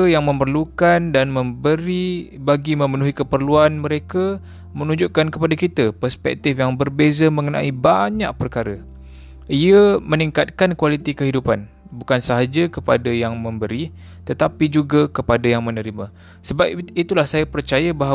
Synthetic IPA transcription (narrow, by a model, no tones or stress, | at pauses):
jaŋmə̃mpərlukandanmə̃mbəɾibaɡimə̃mənuɦikəpərluanməɾeka | mənuɲd͡ʒuʔkankəpadakit̪əpərspɛ̰k̚t̪ɪfjaŋbərbezəmə̃ŋənã̰ibaɲaʔ̚pərkaɾə | iəməniŋkat̪̚kankwalit̪ikəɦidupan | bukansəɦad͡ʒəkəpadajaŋmə̃mbəɾi | t̪ət̪apid͡ʒuɡakəpadajaŋmə̃nəɾimã | səbap̚it̪ulahsajapərt͡ʃajabaɦa